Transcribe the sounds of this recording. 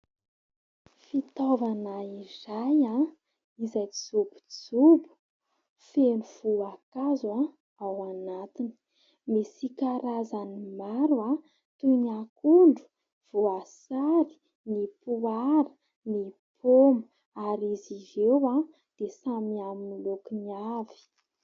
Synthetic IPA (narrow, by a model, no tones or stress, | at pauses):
fit̪ovanaizaja | izajt͡siz̥ubu̥z̥ubu̥ | fenuv̥uakazua | awanat̪ini̥ | mesikaɾazanimaɾua | t̪unakuɳɖ͡ʐu̥ | v̥uasaɾi̥ | nipuaɾə | nipʰomə | aɾizizewa | d̪̥esamiaminilokiniavi̥